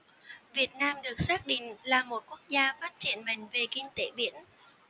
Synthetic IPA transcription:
vi˨˩ət̚naː˧mɗɨ˨˩ək̚saː˦˥k̚ɗḭ̈˧˨ŋ̟laː˨˩mo˨˩t̚ku˦˥ək̚zaː˧faː˦˥t̚t͡ɕḭ˧˩ənɓa̰˧˨jŋ̟ve˨˩kï˧ŋ̟t̪e˧˥ɓḭ˧˥ən

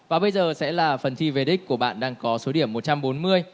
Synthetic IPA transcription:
vaː˨˩ɓə˧jzəː˨˩sɛ̰˧˥laː˨˩fə˨˩nt̪ʰi˧ve˨˩ɗi˦˥k̟̚kːu˧˩əɓa̰ː˧˨nɗaː˧ŋkɔ˨˦so˨˦ɗi˧˩əmːo˨˩t͡ɕa˧mɓo˨˦nmɨ˧əj

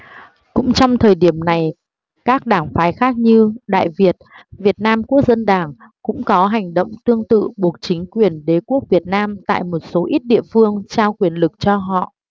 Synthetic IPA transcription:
kʊ̰˧˥ŋ͡mt͡ɕɔ˧wŋ͡mt̪ʰəː˨˩jɗi˦˧˩əmna˨˩j | kaː˦˥k̚ɗaː˧˩ŋfaː˨˦jxaː˦˥k̚ɲɨ˧ɗa̰ː˧˨jvi˨˩ət̚vi˨˩ət̚naː˧mku˦˥ək̚zə˧nɗaː˧˩ŋ | kʊ̰˧˥ŋ͡mkɔ˨˦ɦa˨˩jŋ̟ɗo̰˧˨wŋ͡mt̪ɨ˧əŋt̪ɨ̰˧˨ɓu˨˩ək̚t͡ɕï˨˦ŋ̟kwi˨˩ənɗe˨˦ku˦˥ək̚vi˨˩ət̚naː˧mt̪a̰ː˧˨jmo˨˩t̚so˨˦ʔi˦˥t̚ɗḭ˧˨əfɨ˧əŋt͡ɕaː˧wkwi˨˩ənlɨ˨˩k̚t͡ɕɔ˧ɦɔ̰˧˨ʔ

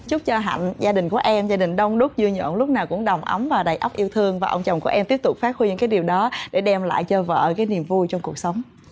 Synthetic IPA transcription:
t͡ɕʊ˦˥k͡p̚t͡ɕɔ˧ɦa̰˧˨ŋ̟zaː˧ɗï˨˩ŋ̟ku˧˩əʔɛ˧mzaː˧ɗï˨˩ŋ̟ɗə˧wŋ͡mɗʊ˦˥k͡p̚zɨ˧əɲɔ̰˧˨nlʊ˦˥k͡p̚naː˨˩wkʊ̰˧˥ŋ͡mɗə˨˩wŋ͡mʔə˨˦mvaː˨˩wɗaː˨˩jʔə˦˥k͡p̚ʔi˧əwt̪ʰɨ˧əŋvaː˨˩ʔə˧ŋ͡mt͡ɕɔ̰˧˨˩wŋ͡mkṵ˧˩əʔɛ˧mt̪i˦˥əp̚t̪ʊ˨˩k͡p̚faː˦˥k̚xwi˧ɨ˧˥ŋkaː˨˦jɗi˨˩əwɗɔ˨˦ɗe˧˩ɗɛ˧mla̰ː˧˨jt͡ɕə˧və̰ː˧˨kaː˨˦jni˨˩əmvu˧jt͡ɕɔ˧wŋ͡mku˨˩ək̚sə˨˦wŋ͡m

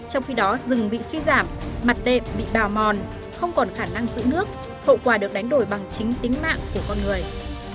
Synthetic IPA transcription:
t͡ɕɔ˧wŋ͡mxi˧ɗɔ˨˦zɨ˨˩ŋɓḭ˧˨swi˧zaː˧˩mːa˨˩t̚ɗḛ˧˨mɓḭ˧˨ɓaː˨˩wmɔ˨˩n | xə˧wŋ͡mkɔ˨˩nxaː˧˩na˧ŋzɨ̰˧˥nɨ˦˥ək̚ | ho̰˧˨kwaː˨˩ɗɨ˨˩ək̚ɗa˨˦jŋ̟ɗo˧˩jɓa˨˩ŋt͡ɕï˨˦ŋ̟t̪i˨˦ŋ̟ma̰ː˧˨ŋku˧˩əkɔ˧nŋɨ˨˩əj

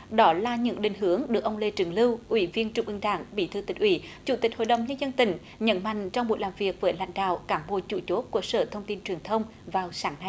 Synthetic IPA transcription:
ɗɔ˨˦laː˨˩ɲɨ̰˧˥ŋɗï˨˩ŋ̟ɦɨ˨˧˦əŋɗɨ˨˩ək̚ʔə˧wŋ͡mle˧t͡ɕɨ˨˩əŋlɨ˧wʔwi˧˩˦vi˧ənt͡ɕʊ˧˩ŋ͡mʔɨ˧ŋɗaː˧˩ŋɓi˧˩˦t̪ʰɨ˧˩t̪ï˨˩k̟̚ʔwḭ˧˦t͡ɕu˧˩t̪ï˨˩k̟̚ho̰˧˨jɗə˨˩wŋ͡mɲə˧nzə˧nt̪ï˧˩ŋ̟ | ɲə̰˧˥nma̰˧˨jŋ̟t͡ɕɔ˧ŋ͡mɓṵ˨˩jlaː˨˩mvi˨˩ək̚vəː˨˦jla̰˧˥jŋ̟ɗa̰ː˧˨wkaː˨˦mɓo̰˧˨˩t͡ɕṵ˧˩t͡ɕo˨˦˥t̚ku˧˩sə̰ː˧˩t̪ʰə˧wŋ͡mt̪i˧nt͡ɕwi˨˩əŋt̪ʰə˧wŋ͡m | vaː˨˩wsaː˨˦ŋna˧˩j

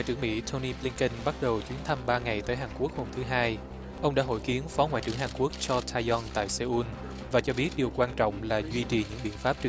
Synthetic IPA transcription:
wa̰ː˧jt͡ɕɨ˧˩əŋmḭ˧˥t̪ʰo˧ni˧ɓli˧nkə˧nɓa˦˥t̚ɗə˨˩wt͡ɕwi˨˦ənt̪ʰa˧mɓaː˧ŋa˨˩jt̪əː˨˦jɦaː˨˩ŋku˦˥ək̚ho˧mt̪ʰɨ˨˦ɦaː˧j | ʔə˧wŋ͡mɗa̰ː˧˥ɦo̰˧˩jki˨˦ənfɔ˨˦ŋwa̰˧˨t͡ɕɨ̰˧˩əŋɦaː˨˩ŋku˦˥ək̚t͡ɕɔ˧t̪ʰaː˧jɔ˧nt̪a̰ː˧˨jse˧ʔu˧n | vaː˨˩t͡ɕɔ˧ɓi˦˥ət̚ɗi˨˩əwkwaː˧nt͡ɕɔ̰˧˨wŋ͡mlaː˨˩zwi˧t͡ɕi˨˩ɲɨ̰˧˥ŋɓḭ˧˨ənfaː˦˥p̚t͡ɕɨ˨˩

